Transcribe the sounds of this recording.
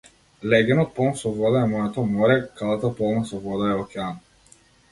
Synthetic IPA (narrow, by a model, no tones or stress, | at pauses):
lɛɡʲɛnɔt̪̚pɔlˠnsɔvɔd̪aɛmɔjɛt̪ɔmɔɾɛkalˠat̪apɔlˠnasɔvɔd̪aɛɔkʲɛan